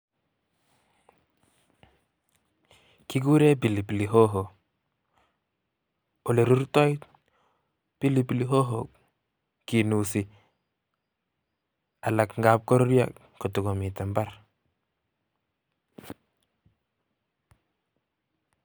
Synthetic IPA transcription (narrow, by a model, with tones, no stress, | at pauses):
ki˦k̬u˦ɾe˦p̬i˨li˨pi˨li˨ɦo˦ɦo˨ | o˨le˨ɾu˦rtɔ˦it | pi˦li˨pi˨liɦo˦ɦo˨ | ki˨nu˨si˨ | a˨la˨kŋɡa˦p̚kɔ˦ɾɾja̰˦˨k | ko˨tu˨ɡo˨mi˨tɛ˨mba˦r